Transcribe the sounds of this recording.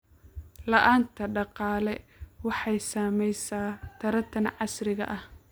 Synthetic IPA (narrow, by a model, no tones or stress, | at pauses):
lɐʔaːnt̪ʰɐɖɑqɑːlɛwɑħɑjsaːmɛjsaːt̪ʰɐɾɐt̪ʰɐnʕɑsɾɪɣɐ̰ʔɐh